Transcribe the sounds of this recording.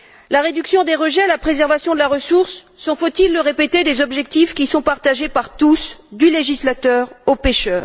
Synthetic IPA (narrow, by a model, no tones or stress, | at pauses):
laʁed̪yksjɔ̃d̪eʁəʒɛalapχezɛʁvasjɔ̃d̪əlaʁəsuʁsː | ɔ̃fot̪ilːəʁepet̪ed̪ezɔbʒɛk̚t̪ifkʲisɔ̃paʁt̪aʒepaʁt̪usd̪yleʒislat̪œːʁopeʃœːʁ